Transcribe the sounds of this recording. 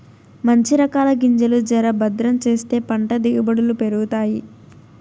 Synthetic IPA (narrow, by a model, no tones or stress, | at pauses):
mɐɲt͡ʃiɾɐkaːlɐɡiɲd͡ʒɐlud͡ʒɐɾɐbɐd̪ɾɐmt͡ʃe̞ːst̪e̞ːpɐɳʈɐd̪iɡubɐɽulupe̞ɾuɡut̪aːji